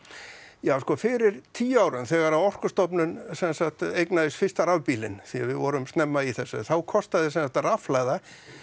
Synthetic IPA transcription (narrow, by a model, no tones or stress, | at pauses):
jaːwskɔfɪɾɪɾ̥t̪ʰiːaːwɾʏnθɛɣaɾawɔr̥kʏst̪ɔpnʏnsɛnsaxt̪ejknaðɪsfɪst̪aɾavpiːlɪ̰nθiavɪðvɔɾʏmst̪nɛmːaiθɛsːʏ̰θawkʰɔst̪aðɪsɛnsaht̪raflajða